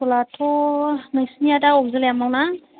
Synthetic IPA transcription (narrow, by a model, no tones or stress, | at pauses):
ɔlatʰɔnajsnijadaɔk̚zɯljamaŋna